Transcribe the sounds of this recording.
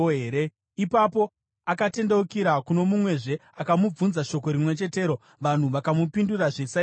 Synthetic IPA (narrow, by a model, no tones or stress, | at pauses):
eːɾe | ipapo̞ | akate̞nde̞ukiɾakuno̞mumwe̞ʐe̞akamub͡vunzaʃo̞ko̞ɾimwe̞t͡ʃe̞te̞ːɾo̞ | ʋan̤uʋakamupinduraʐesa